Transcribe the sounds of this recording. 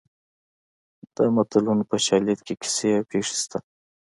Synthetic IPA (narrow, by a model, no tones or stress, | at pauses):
d̪̥əmat̪ulunpəʃɑljit̪kekɪ̥seawpeʂi̥st̪a